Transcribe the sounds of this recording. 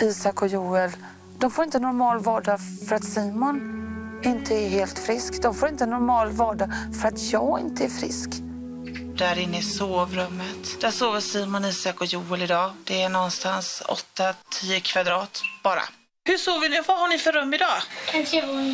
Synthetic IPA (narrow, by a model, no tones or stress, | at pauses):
iːsakɔjuːɛl | d̪̥ɔmfoɾɪnt̪ənɔɾmɑːlvɑːɖafœɾat̪siːmʊnɪnt̪ʰəæɾɦeːlt̪fɾɪskd̪ɔmfoːɾɪnt̪ənɔɾmɑːlvɑːɖafœɾat̪ʰjɑːɡɪ̰nt̪əæɾfɾɪ̰sk | d̪̥æɾɪnːəɪsoːvɾɵmːət̪d̪̥æʂoːvəʂiːmɔniːsakɔjuːɛlɪd̪ɑːd̪̥ɛænɔnst̪ansɔ̰t̪ːat̪ʰiːəkʰvad̪ɾɑːt̪b̥ɑːɾa̰ | hɵʂoːvɪnɪvahaɳɪfœɾɵmːɪd̪ɑːa